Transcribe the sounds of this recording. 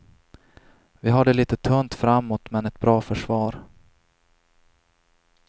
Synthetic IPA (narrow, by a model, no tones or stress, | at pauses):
vɪɦaɖɛliːt̪ət̪ʰɵnt̪fɾamːot̪mɛnɛt̪̚bɾɑːfœʂvɑːɾ